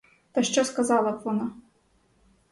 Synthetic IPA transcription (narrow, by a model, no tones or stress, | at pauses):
t̪ɐʃt͡ʃɔskɐzɑlˠɐt̪vɔna